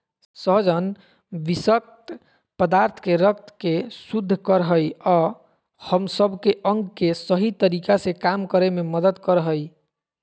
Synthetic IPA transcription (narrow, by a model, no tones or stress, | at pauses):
səɦd͡ʒən | bisək̚t̪ | pəd̪aɾt̪ʰkeɾəkt̪kesud̪ʱːkəɾɦəjɔ | həmsəbʱkeʔəŋɡkesəɦit̪əɾikasekamkəɾememəd̪əd̪kəɾɦəj